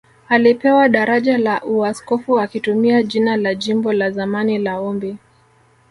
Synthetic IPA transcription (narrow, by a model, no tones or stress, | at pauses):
alipɛwaɗaɾaʄalaʔuaskɔfuakitumiaʄinalaʄimbɔlazamanilaɔmbɛ